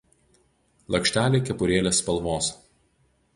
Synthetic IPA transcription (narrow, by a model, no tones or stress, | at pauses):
lˠɐkʃʲt̪ʲæːlʲeːkʲɛpʊɾʲeːlʲeːspɐlˠʋoːs